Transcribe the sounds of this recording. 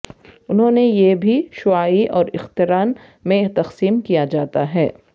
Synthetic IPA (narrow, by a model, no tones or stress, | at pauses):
ʊnɦõːnejebʱiʃʊaːiʔɔːɾɪxt̪ɪɾaːn | mẽt̪ɐqsiːmkijad͡ʒaːt̪aɦɛ̰ː